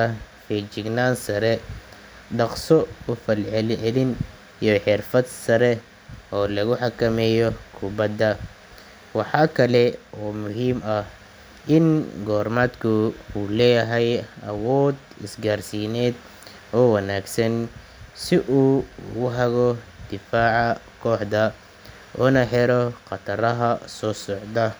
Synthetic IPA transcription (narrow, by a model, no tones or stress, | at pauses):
ɐ | fɛt͡ʃɪɡnaːnsɐɾɛ | ɖɑqsɔʊfɐlʕɛlʕɛlɪn | iɔħɪrfɐd̪sɐɾɛ | ʔɔːlɐɣʊħɑkʰɐmɛːjɔkʰʊbɐd̪ːɐ | wɑħɑːkʰɐlɛɔːmʊɦiːmɐh | ʔɪnɡɔːrmaːd̪kʰʊuːlɛːjɐɦɛjɐ̰wɔːd̪ | ɪsɡarsiːnɛːd̪ | ʔɔːwɐnaːɡsɐn | sɪʔuːʊɦɐɣɔd̪̥ɪfaːʕɑ | kʰɔːħd̪ɐ | ʔɔːnɐħɛɾɔqɑt̪ʰɐɾɐɦɐsɔːsɔʕd̪ɐ